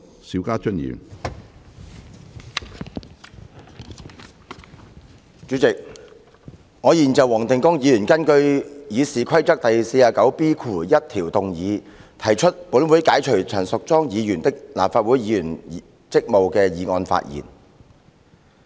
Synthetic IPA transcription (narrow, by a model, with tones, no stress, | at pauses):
siː˨˥wkaː˥t͡ʃɵ˥njḭː˨˩m | t͡ʃyː˨˧˥t͡sɪ˨k̚ | ŋɔː˨˧jiː˨˩nt͡sɐ˨wɔː˨˩ŋt̪ɪ˨ŋkʊ˥ŋjiː˨˧jyː˨˩nkɐ˥nkɵ˧ɥjiː˨˧siː˨kʰɐ˥jt͡sɐ˥k̚t̪ɐ˨jse˧jaː˨˩kɐ˨˥wpiː˥kʰuː˨˩jɐ˥t̚t̪ʰiː˨˩wt̪ʊ˨ŋjiː˨˧t̪ʰɐ˨˩jt͡ʃʰɵ˥t̚puː˨˥nwuː˨˥jkaː˨˥jt͡ʃʰɵ˨˩ɥt͡ʃʰœː˨˩nsʊ˨k̚t͡sɔː˥ŋjiː˨˧jyː˨˩nt̪ɪ˥k̚la̰ː˨˩mfaː˧t̚wuː˨˥jjiː˨˧jyː˨˩n | t͡sɪ˥k̚mo˨wkɛː˧jiː˨˧ŋɔː˧nfa̰ː˧˨t̚jḭː˨˩n